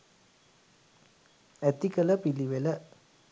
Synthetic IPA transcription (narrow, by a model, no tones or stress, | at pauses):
æt̪ikələpiliʋelə